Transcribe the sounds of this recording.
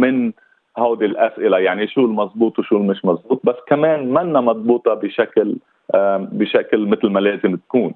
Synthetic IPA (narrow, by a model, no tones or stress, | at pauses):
mɪn | hawd̪ilʔasʔɪlajaʕniʃuːlmɑzˤbuːt̪ˤwʃuːlmɪʃmɑzˤbuːt̪̚ˤbasːkameːnmanːamɑd̪ˤbuːt̪ˤɑbɪʃakl | bɪʃaklmɪt̪lmaleːzɪmt̪akuːn